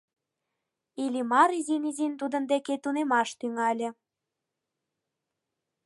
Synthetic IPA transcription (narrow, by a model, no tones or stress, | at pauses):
ilʲimɑɾizinizint̪ud̪ə̆nd̪eket̪unemɑʃt̪yŋɑlʲə̆